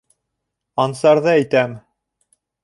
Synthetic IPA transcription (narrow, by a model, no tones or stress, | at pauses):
ɑnsɑɾðɤæjt̪æm